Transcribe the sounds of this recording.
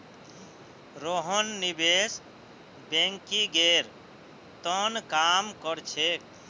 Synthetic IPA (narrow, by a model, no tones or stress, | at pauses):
ɾoɦənːibes | bẽŋkiɡeɾ | t̪ənkamkəɾt͡ʃʰek